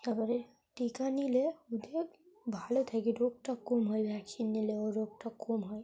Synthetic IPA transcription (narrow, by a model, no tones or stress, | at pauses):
əɡəɾ | ʈikanileud̪ek | bʱalet̪ʰakiɾok̚ʈəkkːomɦojbʱɛksinːileoɾok̚ʈɔkːomɦoj